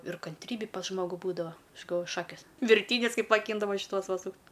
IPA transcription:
ɪr kɐnʲˈtʲrʲiːbʲɪ pɐs ˈʒmoːɡʊ ˈbuːdɐʋɐ ˈɐʃ ɡɐlˠˈʋoːjʊ ˈʃɑːkʲeːs ʋʲɪrʲˈtʲiːnʲʊs ˈkɐɪp mɐˈkʲiːndɐʋoː ʃʲɪˈtuɔs ˈʋɐ ˈsuːktʲ

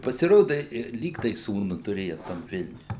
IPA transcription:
ɪ pɐsʲɪˈroːdɐ ɪ ɪr ˈlʲiːk tɐɪ ˈsuːnʊ tʊˈrʲeːjɛ tɐm ˈʋʲɪlʲnʲʊj

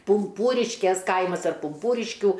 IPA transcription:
pʊmˈpuːrʲɪʃʲkʲeːs ˈkɐɪmɐs ɐr pʊmˈpuːrʲɪʃʲkʲuː

